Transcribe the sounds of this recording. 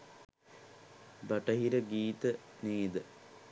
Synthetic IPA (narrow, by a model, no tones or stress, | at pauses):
bɐʈɐɦiɾɐɡiːt̪əneːd̪ə